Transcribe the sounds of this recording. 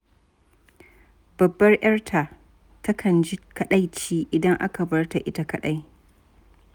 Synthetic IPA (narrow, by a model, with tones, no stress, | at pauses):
b̥ɐ˨bːɐ˦rj̰ɐ˦rtʰa˨ | tɐ˦kʰɐ˨nd͡ʒi˦kɐ˨ɗa˦jt͡ʃiː˦ʔɪ˨dɐ˦ŋʔa̰˦ka˨bɐ˦rta˨ʔɪ˦ta˨kɐ˨ɗa˦j